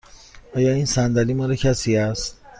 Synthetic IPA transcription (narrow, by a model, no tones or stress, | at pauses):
ɒːjɒːiːnsænd̪æliːmɒːɾecʰæsiːæst̪̚